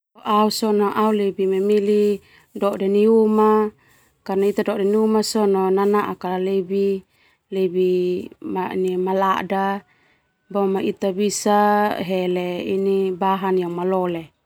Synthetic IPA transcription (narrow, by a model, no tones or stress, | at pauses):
oʔausɔnaʔaulebimemili | dɔdeniuma | karnait̪adɔdɛniumasɔnonanaʔakalalebi | lebimaḭnimala̰da | bɔmait̪abisaɦeleinibaɦanjamalɔle